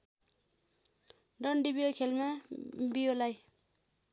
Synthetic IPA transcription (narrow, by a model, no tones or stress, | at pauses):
ɖʌnɖibiokʰelmabijolaj